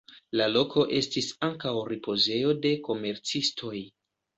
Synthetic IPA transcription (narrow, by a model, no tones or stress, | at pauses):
lalo̞kʰo̞ʔe̞stisaŋkawɾipo̞ze̞jo̞de̞ko̞me̞ɾt͡sistʰo̞j